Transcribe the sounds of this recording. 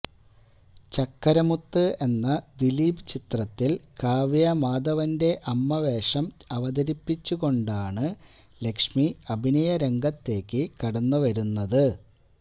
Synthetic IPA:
t͡ɕɐkːɐɾɐmut̪ːɨe̞nːɐd̪iliːbɨt͡ɕit̪rɐt̪ːilkaːʋijɐmaːd̪ɐʋɐnde̞ʔɐmːɐʋe̞ːʂɐmɐʋɐd̪ɐɾipːit͡ɕːuɣo̞ɳɖaːɳɨ | le̞kʂmiɐbʱinɐjɐɾe̞ŋɡɐt̪ːe̞ːkːɨkɐɽɐnːuʋɐɾunːɐðɨ

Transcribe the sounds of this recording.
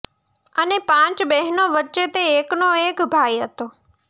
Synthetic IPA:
ənepãːt͡ʃɓeɦɪnoʋət͡ʃet̪eːknoeːkbʱaːiɦət̪oː

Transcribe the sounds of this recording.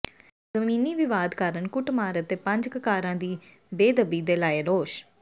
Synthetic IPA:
zəmĩːniːʋɪʋaːd̪kaːɾənkʊʈmaːɾət̪eːpə̃ɲd͡ʒkəkaːɾãːd̪iː | beːd̪əbiːd̪eːlaːeːɾoːʃ

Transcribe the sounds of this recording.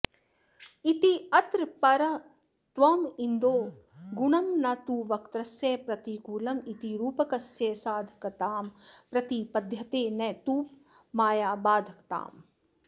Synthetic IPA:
it̪iɐt̪ɾpɐɾɐ | t̪ʋɐmind̪oː | ɡuɳɐmnɐt̪uːʋɐkt̪ɾɐsjeːpɾɐt̪ikuːlɐmit̪iɾuːpɐkɐsjeːsaːd̪ʱɐkɐt̪aːmpɾɐt̪ipɐd̪ʱjɐt̪eːnɐt̪uːp | maːjaːbaːd̪ʱɐkt̪a̰ːm

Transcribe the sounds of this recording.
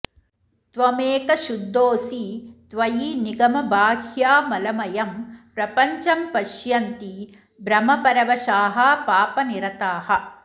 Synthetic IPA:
t̪ʋɐmeːkɐʃud̪ːoːsit̪ʋɐjiniɡɐmɐbʱaːɡʱjaːmɐlɐmɐjɐmpɾɐpɐɲt͡ʃɐmpɐʃjɐnt̪i | bɾɐmɐpɐɾɐʋɐʃaːɦɐpaːpɐniɾɐt̪aːhɐ̆

